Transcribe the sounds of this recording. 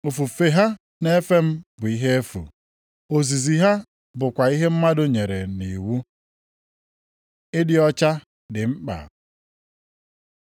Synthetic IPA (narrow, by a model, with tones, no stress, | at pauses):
o˨fu˨fe˨ɦa˦ | ne˦fe˦m̩˦bʊ˨i˦ɦe˦e˦fṵ˨ | o˨zi˨zi˨ɦa˦ | bʊ˨kʷa˨i˦ɦe˦m̩˦ma˦dʊ˦ɲe˨ɾe˨ni˨wu˦ | ɪ˦dɪ˦ɔ˦t͡ʃa˦ | dɪ˨ŋ͡m̩˦k͡pa̰˨